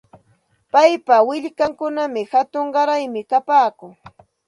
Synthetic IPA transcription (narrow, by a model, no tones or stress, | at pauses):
pajpawɪʎkaŋkʊnamɪhat̪ʊɴɢɑɾajmɪkapaːkʊŋ